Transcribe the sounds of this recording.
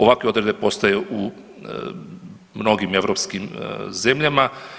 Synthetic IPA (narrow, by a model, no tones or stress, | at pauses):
o̞ʋakʋeo̞d̪ɾed̪epo̞st̪ajeʔu | mno̞ɡime̞ʋɾo̞pskimze̞mʎama